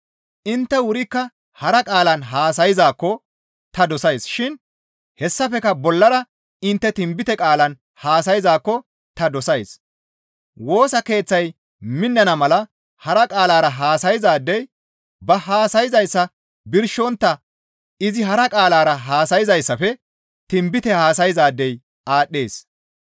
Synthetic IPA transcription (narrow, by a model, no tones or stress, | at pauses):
ʔɪnt̪ːɛwʊɾɪkːɐ | hɐɾɐkʼaːlɐnɦaːsɐjɪzaːkːɔ | t̪ɐd̪ɔsɐjsʃɪn | hɛsːɐfɛkɐbɔlːɐɾɐ | ɪnt̪ːɛt̪ɪmbɪt̪ɛkʼaːlɐn | haːsɐjɪzaːkːɔ | t̪ɐd̪ɔsɐjs | wo̞ːsɐke̞ːt͡sːɐj | mɪnːɐnɐmɐlɐ | hɐɾɐkʼaːlaːɾɐɦaːsɐjɪzaːd̪ːɛj | bɐɦaːsɐjɪzɐjsːɐ | bɪɾʃɔnt̪ːɐ | ɪzɪɦɐɾɐkʼaːlaːɾɐɦaːsɐjɪzɐjsːɐfɛ | t̪ɪmbɪt̪ɛhaːsɐjɪzaːd̪ːɛj | aːɗːeːs